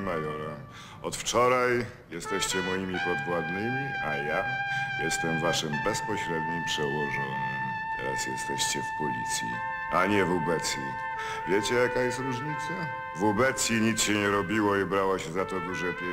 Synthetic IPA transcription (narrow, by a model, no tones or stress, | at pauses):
majɔɾa | ɔt̪ft͡ʂɔɾaj | jɛst̪ɛɕt͡ɕɛmɔjimʲipɔd̪vwad̪nɘmʲiajajɛst̪ɛmvaʂɘmbɛspɔɕɾɛd̪ɲimpʂɛwɔʐɔɲɛm | t̪ʰɛ̰ɾa̰sjɛ̰st̪ɛɕt͡ɕɛfpɔlʲḭt̪sʲjḭ | aɲɛvɔbɛt̪sʲjḭ | vʲjɛt͡ɕɛjakajɛst̪ɾuʐɲit̪sa | vɔbɛt̪sʲjiɲit̪sɕɛɲɛɾɔbʲiwɔibɾawaɕɛzat̪ɔd̪uʐɛp